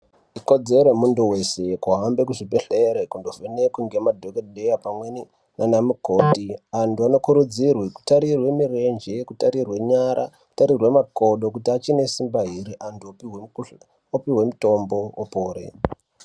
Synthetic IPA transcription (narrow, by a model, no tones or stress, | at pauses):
iko̞d͡ze̞ɾomundowe̞se̞kuɦambe̞kuʐibeɬeɾekundovenekuŋɡemadʱokeɗejapamweni | nanamuko̞ːtiantuano̞kuɾud͡zirwiku̥taɾirwe̞mire̞nd͡ʒekutaɾirwe̞ɲaɾa̰ku̥taɾirwe̞mako̞ɗo̞kutiat͡ʃine̞simbaɦiɾiʔantuoiw | opiwe̞muto̞mbo̞opoːɾḛ